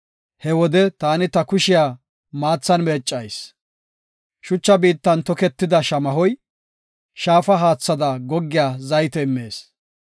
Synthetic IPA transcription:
hɛwɔd̪ɛt̪aːnɪt̪ɐkʊʃɪjaː | maːt͡sːɐnmeːt͡ʃʼːɐjs | ʃʊt͡ʃːɐbiːt̪ːɐnt̪ɔkɛt̪ːɪd̪ɐʃɐmɐɦɔj | ʃaːfɐɦaːt͡sːɐd̪ɐɡɔɡːɪjaːzɐjt̪ɛɪmːeːs

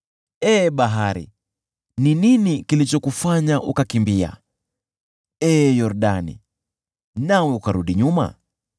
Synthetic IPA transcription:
ɛːɓaɦaɾḭ | nininikilit͡ʃɔkufaɲaʔukakimbia̰ | ɛːjɔɾɗanḭ | nawɛukaɾuɗiɲuma̰

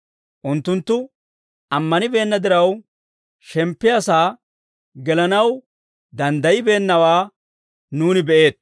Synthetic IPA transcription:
ʔʊnt̪ːʊnt̪ːʊ | ʔɐmːɐnɪbe̞ːnːɐd̪ɪɾɐw | ʃɛmpːɪjɐsaː | ɡɛlɐnɐw | d̪ɐnd̪ɐjɪbe̞ːnːɐwaː | nuːnɪbɛʔe̞ːt̪̚

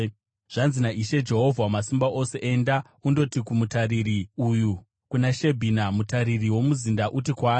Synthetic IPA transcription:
ʐ̥anzinaʔiʃe̞d͡ʒe̞ɦo̞vʱwamasimbaʔo̞se̞ʔenda | undo̞tikumutaɾiriuju | kunaʃe̞bʱinamutaɾiriwo̞muzindaʔutikwaː

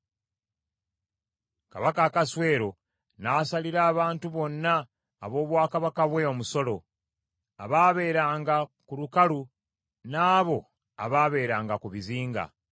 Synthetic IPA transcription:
ka̰βakaːkaswe̞ːɾo̞ | nasaliɾaːβaːntuβo̞nːaː | βo̞ːβwaːkaβakaβwe̞o̞muso̞lo̞ | aβaːβe̞ːɾaːŋɡakulukalu | naːβo̞ | aβaːβe̞ːɾaːŋɡakuβiziːŋɡa̰

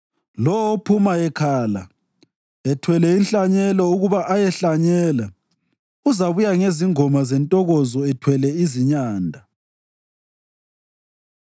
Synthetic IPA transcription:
lɔwopʰumaɛkʰaːla̰ | ɛtʰwɛlɛinɬaɲɛlɔuɣuβaʔajɛɬaɲɛːla | uzaβujaŋeziŋɔmazɛntʼɔɣɔzɔɛtʰwɛlɛiziɲaːndʱa

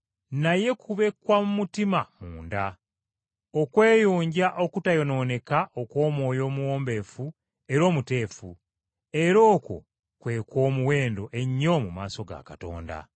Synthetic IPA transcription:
naje̞kʰuβe̞kwamumutimamuːnda | o̞kwe̞ːjoːɲɟaʔo̞kutajo̞no̞ne̞kaʔo̞ko̞ːmwo̞ːjo̞ːmuwo̞ːmbe̞ːfu | e̞ɾo̞ːmute̞ːfu | e̞ɾo̞ːko̞̰ | kwe̞ːkwo̞ːmuwe̞ːndo̞ʔe̞ɲːo̞mumaːso̞ɡa̰kato̞̰ːnda̰

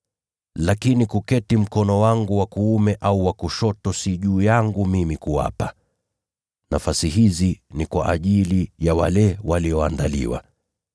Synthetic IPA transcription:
lakinikukɛtim̩kɔnɔwaŋɡuwakuumɛʔauwakuʃɔtɔsiʄuːjaŋɡumimikuwa̰pa | nafasiɦizinikwa̰ʔaʄilijawa̰lɛwaliɔandalḭwa̰

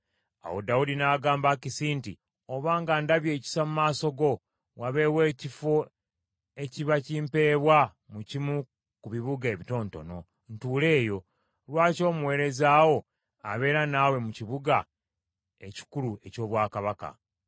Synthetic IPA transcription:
a̰wo̞̰daudinaːɡaːmbakisiːntḭ | o̞βaːŋɡandaβje̞ːci̥samumaːso̞ɡo̞ | waβe̞we̞ːcifo̞ | e̞ciβaciːmpe̞ːβwa | mucimu | kuβiβuɡe̞ːβito̞ːnto̞̰no̞̰ | n̩tuːle̞ːjo̞ | lwaːco̞ːmuwe̞ːɾe̞zaːwo̞ | a̰βe̞ːɾanawe̞muciβuɡa | e̞ci̥kulue̞co̞ːβwaːkaβaka̰

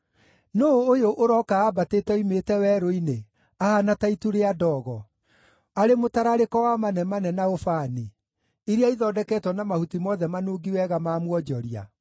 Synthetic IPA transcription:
noːjoʔoɾɔkaːbateːtɛimetɛwɛɾoine | ahanataituɾeadɔːɣɔ | aɾemotaɾaɾekɔwamanɛmanɛnaofaːni | iɾiaiðɔːdɛkɛtwɔnamahutimɔðɛmanoːɡiwɛɣamaːmwɔd͡ʒɔɾia̰

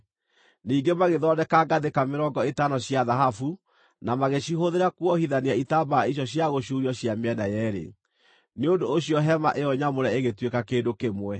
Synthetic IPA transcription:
niːŋɡemaɣeðɔdɛkaɡaðekameɾɔɡɔetanɔɕjaðaɦafu | namaɣeɕiɦoðeɾakwɔhiðaneaitabaiɕ̬jɔɕjaɣoɕuɾiɔɕjameɛnajɛɾḛ | neondoːɕiɔɦɛmaʔeɔɲamoɾɛeɣetwekakeːdokemwɛ

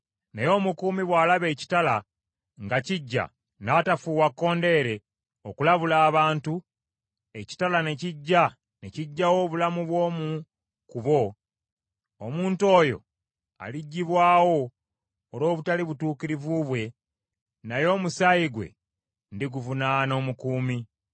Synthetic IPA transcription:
najo̞ːmukuːmiβwaːlaβe̞ːci̥tala | ŋɡaciɟːa̰ | natafuːwakːo̞ːnde̞ɾe̞ | o̞kulaβulaːβaːntu | e̞ci̥talane̞ciɟːa | neciɟːawo̞ːβulamuβwo̞ːmu | kuβo̞ | omuːnto̞ːjo̞̰ | a̰liɟːiβwaːwo̞ː | ɾo̞ːβutaliβutuːkiɾivuβwe̞ | najo̞ːmusajiɡwe̞̰ | ndiɡuvunaːno̞ːmukuːmi

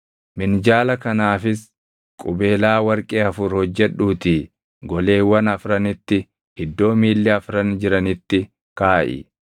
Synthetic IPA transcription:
mɪnd͡ʒaːlɐkɐnaːfɪs | kʼʊbe̞ːlaːwɐɾkʼeːɐfʊɾhɔd͡ʒːɛᶑuːt̪iː | ɡɔle̞ːwːɐnɐfɾɐnɪt̪ːɪ | hɪd̪ːo̞ːmiːlːɛɐfɾɐnd͡ʒɪɾɐnɪt̪ːɪ | kaːʔɪ̰

